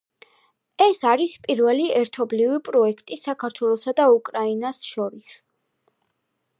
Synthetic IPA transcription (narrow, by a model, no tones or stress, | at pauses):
ɛsaɾispʼiɾvɛliɛɾt̪ʰɔblivipʼɾɔɛkʰt̪ʼisakʰaɾt̪ʰwɛlˠɔsad̪aukʼɾainasʃɔɾis